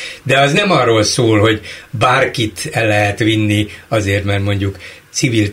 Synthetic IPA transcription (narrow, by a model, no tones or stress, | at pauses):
d̪ɛɒznɛmɒrːoːlsoːlho̞ɟbaːrkit̪ɛlːɛɦɛt̪ʋinːiɒzeːrt̪mɛrt̪mo̞ɲɟukt̪sivil